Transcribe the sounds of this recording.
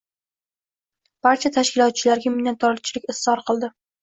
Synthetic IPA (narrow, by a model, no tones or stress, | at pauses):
b̥aɾt͡ʃʰat̪ʰaʃkʲɪlɒt̪̚t͡ʃʰɪlaɾɡʲamɪnant̪ʰɒlt͡ʃʰɪlɪkʲɪsɒɾqʰɨlˠd̪ɪ